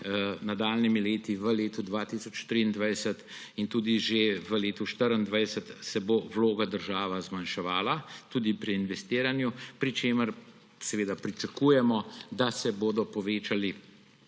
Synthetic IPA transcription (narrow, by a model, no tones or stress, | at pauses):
nad̪aːlnimileːt̪iʋəleːt̪ud̪ʋaːt̪isɔt͡ʃt̪ɾind̪ʋajsət̪ | int̪uːd̪iʒeʋəleːt̪uʃt̪əɾənd̪ʋajsət̪sɛboʋloːɡad̪əɾʒaːʋazmanʃɛʋaːlat̪uːd̪ipɾiːnʋɛst̪iːɾanjupɾit͡ʃeːməɾ | sɛʋeːd̪apɾit͡səkuːjɛmɔd̪asɛboːd̪ɔpɔʋeːt͡ʃali